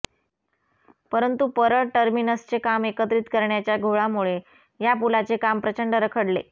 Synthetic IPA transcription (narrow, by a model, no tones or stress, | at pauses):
pəɾənt̪upəɾəʈəɾminəst͡sekamekət̪ɾiːt̪kəɾɳjat͡ɕjaɡʱoɭamuɭe | japulat͡sekampɾət͡ɕəɳɖəɾəkʰəɽlḛ